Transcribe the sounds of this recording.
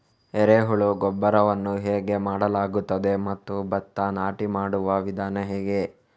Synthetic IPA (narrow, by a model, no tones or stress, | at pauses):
ɛɾeɦuɭuɡɔbːɐɾɐʋɐnːuɦeːɡe̞maːɽɐlaːɡut̪ːɐd̪e̞mɐt̪ːubɐt̪ːɐnaːʈimaːɽuʋɐʋid̪ʱaːnɐɦɛːɡe